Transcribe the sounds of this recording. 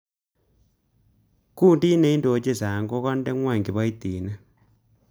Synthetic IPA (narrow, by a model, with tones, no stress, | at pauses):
kuː˦˨ndi˦ne˦i˦ndo˨t͡ʃe˦˨sa˨ŋɡo˦ka˦nde˦ŋwa˦˨ŋɡi˨βa˦i˦ti˨na˦